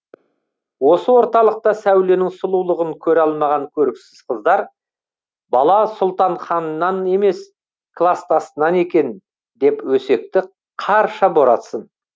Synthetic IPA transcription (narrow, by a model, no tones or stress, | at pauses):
wo̞səwo̞ɾt̪ɑlˠəq̚t̪ɑsæwle̞nɪŋsʊlˠulˠəʁəŋkʲʰɵɾɑlˠmɑʁɑŋkʲʰɵɾɪksɪz̥qʰəzd̪ɑɾ | bɑlˠɑsʊlˠt̪ɑɴχɑnnːɑne̞me̞s | kʰlˠast̪ʰɑsənɑne̞kʲe̞n | d̪e̞pwɵse̞k̚t̪ɪ | qʰɑɾʃɑbo̞ɾɑ̰t̪sən